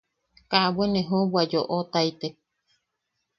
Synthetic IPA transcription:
kabwenẽɦõbwad͡ʒoʔot̪ajt̪e

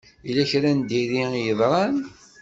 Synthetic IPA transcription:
ilæçɾænd̪iɾijəðˤɾˤɑn

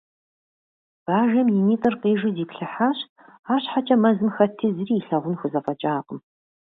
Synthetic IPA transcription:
b̥aːʒɐmjiniːtʼɨrqʼeːʒɨziːpɬɨħaːɕtʼ | aːɕħat͡ʃʼɐmɐzɨmxɐtʰizriːɬɐʁʷʊnxʷʊzɐfɐt͡ʃʼaːqʼəm

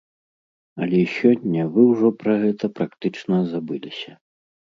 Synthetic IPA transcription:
ɐlʲɛsʲɔnʲːɐvɨwʐɔpɾɐɣɛt̪ɐpɾakt̪ɨt͡ʂnɐzabɨlʲisʲɐ

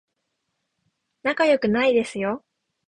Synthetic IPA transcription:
nakajo̞kɯ̟naid̪e̞sɨjo̞

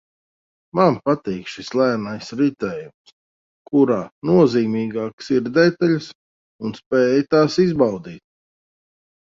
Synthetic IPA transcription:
manpat̪iːkʃislˠæːɾnajsɾit̪ɛːjums | kʰuɾaːnuɔziːmiːɡaːksiɾd̪ɛt̪aʎs | unspɛːjt̪aːsizbawd̪iːt̪̚

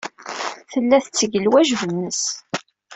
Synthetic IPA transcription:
θəlːæθət͡sːəʝəlwæʒvənːəs

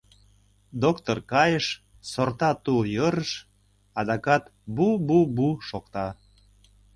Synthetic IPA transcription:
d̪okt̪orkɑjəʃ | sort̪ɑt̪ujɤɾəʃ | ɑd̪ɑkɑt̪bububuʃokt̪ɑ

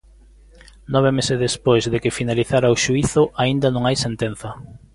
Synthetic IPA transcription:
nɔβ̞emesɪzðespojzðekɪfinaliθaɾaoʃuiθʊʔaind̪ɐnõŋajsent̪enθɐ

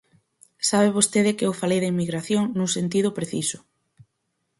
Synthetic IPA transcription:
saβeβ̞ost̪eðɪkɪʊfalejðɐimːiɣɾaθjoŋnuŋsent̪̬ið̞ʊpɾeθḭsʊ̥

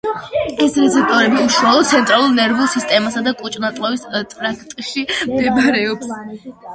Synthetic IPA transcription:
ɛsɾɛt̪sʰɛp̚ʰt̪ʼɔɾɛbiuʃwalˠɔd̪̚sʰɛnt̪ʼɾalˠuɾnɛɾvusist̪ʼɛmasad̪akʼut͡ʃʼnat̪ʼlˠɔvist̪ʼɾakʰt̪ʼʃimd̪ɛbaɾɛɔps

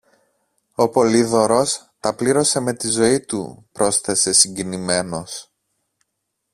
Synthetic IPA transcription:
o̞po̞liðo̞ɾo̞s | t̪ɐpliɾo̞se̞me̞t̪izo̞it̪ṵpɾo̞sθe̞se̞siɲɟinime̞no̞s

